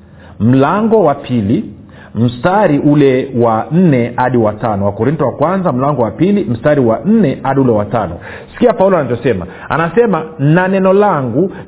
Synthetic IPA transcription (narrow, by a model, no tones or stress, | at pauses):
m̩laŋɡɔwapʰili | m̩staɾiʔulɛwan̩nɛhaɗiwatanɔwakɔɾintɔwakwanzam̩laŋɡɔwapilim̩staɾiwan̩nɛhaɗiulɛwatanɔ̰ | si̥kiapaulɔanavɔsɛma̰ | a̰nasɛmananɛnɔlaŋɡu